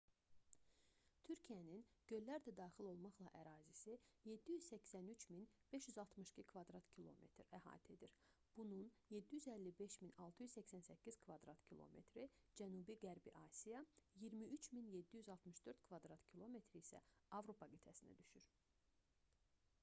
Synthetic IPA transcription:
t̪ʰyɾcʰijæninɟ̥ø̞jllːæɾd̪æd̪ɑːχilo̞lˠmɑχlˠɑʔæɾɑːzisije̞d̪ːijyz̥sæcsænyt͡ʃminb̥e̞ʃjyzɑlˠt̪mɯʃcʰikʰvɑd̪ɾɑt̪cʰilˠo̞̰me̞̰t̪ʰɾæhɑ̰ːt̪ʰe̞d̪iɾ | b̥ununjed̪ːijyzælːibe̞ʃminɑlˠt̪ʰɯjyzsæcsænsæcʰːiz̥kʰvɑd̪ɾɑt̪cʰilˠo̰me̞̰t̪ʰɾid͡ʒænuːbiɡæɾbḭʔɑːsijɑjiɾmiʔyt͡ʃʰminjed̪ːijyzɑlˠt̪mɯʃd̪̥ø̞ɾt̪kʰvɑd̪ɾɑt̪cʰilˠo̞me̞t̪ʰɾiisæ̰ɑvɾo̞pʰɑɡit̪ʰæsinæ̰d̪yʃyɾ

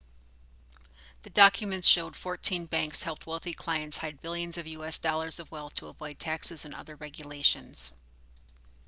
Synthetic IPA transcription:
ðɨdɑkʰjɨmɨ̃ntsʃoʊd̥fɔɹtʰĩnbæ̃ŋkshɛlˠp̚t̚wɛlˠθikʰl̥aɪɨ̃ntshaɪd̚bɪlˠjɨ̃nzʌvjʉɛsd̥ɔlˠə˞zʌvwɛlˠθtʰəəvɔɪd̚tʰæksɨzɨ̃nʔʌ̰ðə˞ɹɛɡjɨleɪʃɨ̃nz̥

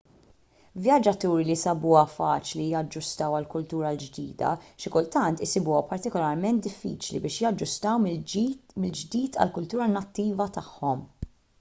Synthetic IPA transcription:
vjɐd͡ʒɐt̪uːɾilisɐbuːɐfɐːt͡ʃlijɐd͡ʒːʊst̪ɐwɐlkʊlt̪uːɾɐld͡ʒd̪ḭːd̪ɐ̰ʃɪkʊlt̪ɐnt̪ɪsɪbuːɔpɐɾt̪ɪkɔlɐɾmɛnt̪̚d̪ɪfːḭːt͡ʃlḭbɪːʃjɐd͡ʒːʊst̪ɐw | mɪld͡ʒd̪iːt̪ʰɐ̰lkʊlt̪uːɾɐnɐt̪ːiːvɐt̪ɐħːɔm

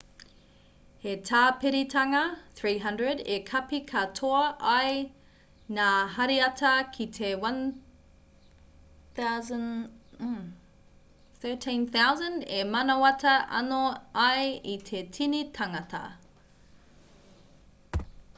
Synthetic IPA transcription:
hetʰaːpeɾitʰɐŋɐθɹiːɦɐ̃ndɹədekʰɐpikʰɐtʰoɐʔɐj | naːɦɐɾiɐtʰɐkʰitʰewɐn | θazn̩ | θɜ˞tʰĩnθawzə̃ndemɐnɐwɐtʰɐʔɐ̰noɐjit̪ʰe̞tʰinitʰɐŋɐtʰɐ̰

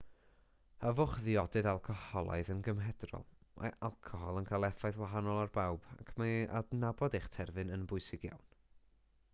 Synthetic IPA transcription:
əvʊχðɪɔdɨðalˠkʰɔhɔlˠa̰ɨðənɡəmɦɛdrɔ̰lˠmʔa̰ʔalˠkʰɔɦɔlˠənkʰalˠɛθaɨðwaɦanɔlˠarbawb̥a̰kʰmaa̰dnabɔdeχtʰɛrvɨnənbʊɨsɪɡja̰wn

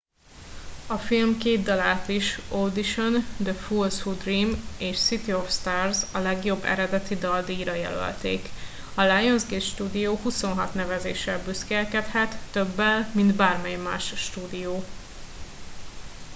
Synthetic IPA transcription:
ɒfilmkeːd̪̚d̪ɒlaːt̪iʃod̪iʃond̪əfulsfud̪riːmeːʃsit̪iofst̪aːrzɒlɛɡjo̞bːɛ̰ɾɛd̪ɛt̪id̪ɒld̪iːɾɒjɛ̰lø̰lt̪ḛːk | ɒlajonzɡeːt̪ʃt̪uːd̪ijoːhuso̞nɦɒt̪nɛvɛzḛːʃɛlbyskɛlkɛt̪hɛt̪ːøbːɛlmind̪baːrmɛjmːa̰ːʃʃt̪uːd̪ijoː

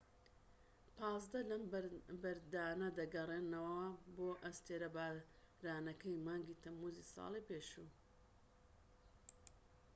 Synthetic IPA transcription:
pʰɑːzd̪ɐlɐmbɐɾd̪aːnɐd̪ɐɡɐreːnɐwɐwɐboːʔɐst̪eːɾɐba | ɾaːnɐkɐjmaːŋɡiːt̪ʰɐmːuːzisɑ̰ːlˠipeːʃuː

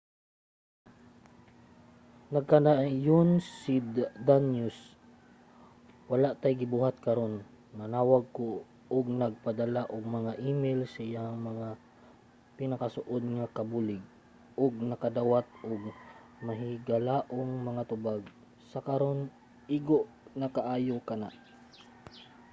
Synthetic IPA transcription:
nɐɡ̚kɐnajonssid̪anjus | wɐlaʔt̪ajɡɪbuːhat̪̚kɐɾo̞n | mɐnaːwaɡ̚ko | ʊɡnɐɡ̚pad̪ɐlaʔʊɡ̚mɐŋaʔiːmɛlsɐɪjaŋmɐŋa | pɪnɐkɐsʊʔod̪̚ŋakɐbulɪɡ̚ | ʔʊɡ̚nɐkɐd̪awat̪̚ʔʊɡ̚ | mɐɦɪɪɡɐlaːʔoŋmɐŋat̪ʊbaɡ | sɐkɐɾo̞n | ʔɪɡoʔ | nɐkaʔaːjokɐna̰ʔ

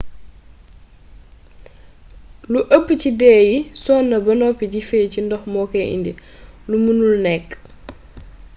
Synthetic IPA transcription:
luʔəpːcidɛːjisɔːnːɐbɐnɔpːiɟifɛːcindɔxmɔkɛʔḭndi | lumunulnɛkː

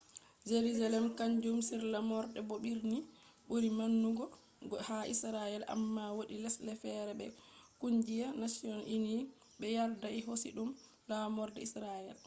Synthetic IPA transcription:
d͡ʒeɾuzalɛmkaɲd͡ʒumsiɾlamɔɾdɛboɓiɾni | ɓuɾimanːuɡɔ | ɡɔhaʔḭsɾajɛla̰mːawoɗilɛslɛfɛɾɛbɛkuɲd͡ʒijanasiɔnini | ɓɛjaɾdaiɦosḭɗum | lamɔɾdɛ̰isɾajɛl

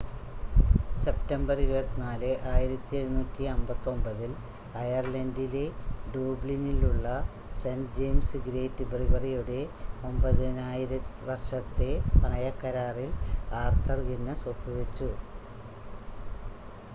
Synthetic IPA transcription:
se̞ptɐmbɐriɾubɐt̪ːinaːlɨʔaːjiɾɐt̪ːieɾunuːtːiɐmbɐt̪ːo̞mbɐðil | ɐjɐrlɐndile̞ɖuːbliniluɭːɐ | send͡ʑejmsɨɡɾe̞ːtːɨbribɐrijuɽe̞o̞mbɐðinaːjiɾɐʋɐrʂɐt̪ːe̞pɐɳɐjɐkːɐɾaːrilaːrt̪ʰɐrɡinːɐsopːiʋet͡ɕːu

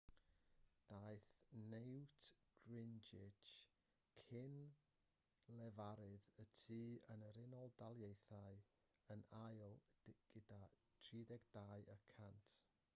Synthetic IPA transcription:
d̥aɨθnewtʰɡ̥rɪnd͡ʒɪt͡ʃ | kʰɪn | lɛvaɾɨðətʰiːənəɾɪnɔlˠdalˠjejθaɨ | ənajlˠɡ̥ɪda | tʰriːdɛɡdaːɨəkʰantʰ

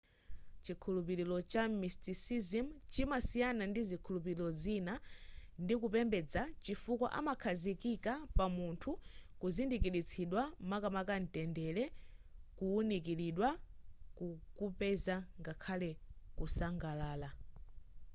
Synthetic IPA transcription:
t͡ʃikʰulup̬iɾilɔt͡ʃamistisizimt͡ʃimasijanandizikʰulup̬iɾilɔzinandikupɛmbɛd͡zat͡ʃifukwa̰ʔa̰makʰazikikapamuntʰukuzindikiɾit͡sʰiɗwamakamakan̩tɛndɛlɛkuunik̬iɾiɗwakukupɛzaŋɡakʰalɛkusaŋɡalaːla

